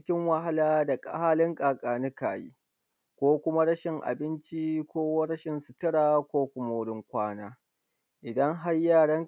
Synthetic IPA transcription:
kʲɪ˦ŋwa˦ɦa˦laː˦da˨kʼa̰˦haː˦lɪ˦ŋkʼaː˨kʼaː˨nɪ˦ka̰ː˨jḭː˦ | kʷoː˦kʷʊ˦ma˦ɽɐ˦ʃɪ˨ŋʔa̰˨bɪ˦nt͡ʃi˦kʷoː˦wɐ˦ɽɐ˦ʃɪ˨nsʊ˨tɐ˦ɽaː˨kʷoː˦kʷʊ˦ma˦wʊ˦ɽɪ˦ŋkʷaː˦naː˦ | ʔɪ˨dɐ˦ŋɦa˦rjaː˦˨ɽɐ˦ŋ

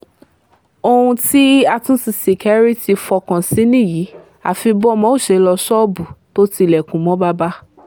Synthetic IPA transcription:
o˧ũ˧ti˦a˧tũ˦si˧se˨kʰɛ˦ɾi˦ti˧fɔ˧kã˨sĩ˨˦nĩ˦˨ji˨˦ | a̰˨fi˧bɔ˦mɔ̃˨˦o˦˨ʃe˧˦lɔ˧ʃɔ˦bu˨to˦ti˧lɛ˨kũ˨˦mɔ̃˨˦ba˦ba˦

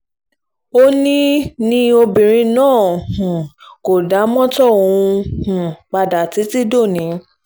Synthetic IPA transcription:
o˦nĩ˦nĩ˧o˧bĩ˨ɾ̃ĩ˧nãː˦˨hũ˨ko˨da˨˦mɔ̃˦tɔ̃˦˨ũ˧hũ˨k͡pa˧da˨ti˨˦ti˦do˦˨nĩ˨˦

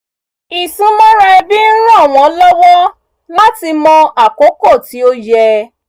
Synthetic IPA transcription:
i˨sũ˨˦mɔ̃˦ɾɛ˦bi˦n̩˦ɾ̃ã˦˨w̃ɔ̃˨˦lɔ˦wɔ˦ | la˦ti˧mɔ̃˧a˨ko˨˦ko˦˨ti˨˦o˦jɛ˧

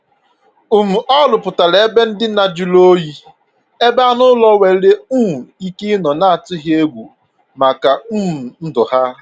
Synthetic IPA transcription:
u˨m̩˨ʔɔ˦lʊ˨pʊ˨ta˨le˨e˦be˦n̩˦dɪ˦na˨d͡ʒu˦lo˦ji˦ | e˦ba˦nʊ˦lɔ˦we˨˦le˦u˦ŋ̩˨i˦ki˦nɔ˨na˦a˨tʊ˦ɦje˦ɡʷu˨ | ma˨ka˨u˦m̩˨n̩˦dʊ˨ha˦

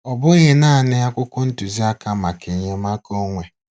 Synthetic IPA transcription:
ɔ˨bʊ˦ɲe˦naː˦˨nɪ˦ja˦kʷʊ˦kʷʊ˦n̩˦tu˨zi˦a˦ka˦ma˨ki˨ɲe˦ma˦ko˦ŋʷe˨

